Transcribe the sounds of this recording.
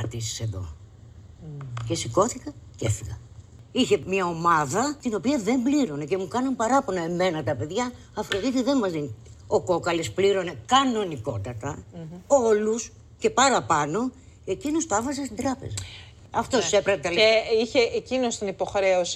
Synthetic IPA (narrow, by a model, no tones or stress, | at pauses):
ɐt̪isi̥se̞ðo̞̰ | ce̞siko̞θikɐcefiɣɐ | içe̞mɲɐo̞mɐðɐt̪ino̞piɐðe̞mbliɾo̞ne̞ce̞mukɐnɐmpɐɾɐponoe̞me̞nɐt̪ɐpe̞ðʝɐː | fɾoðit̪iðe̞nmɐzðini | o̞ko̞kɐlespliɾo̞ne̞kɐno̞niko̞t̪ɐt̪ɐo̞lus | ce̞pɐɾɐpɐno̞ | e̞cino̞st̪oɐvɐzɐst̪ind̪ɾɐpḛzɐ | ɐft̪o̞ssepɾɐet̪ɐliçeecinost̪onipo̞xɾe̞os